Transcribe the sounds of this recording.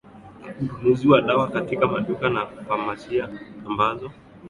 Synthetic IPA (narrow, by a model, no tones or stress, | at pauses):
uɗunuziwaɗawakatikamaɗukanafamat͡ʃiaːmbazɔ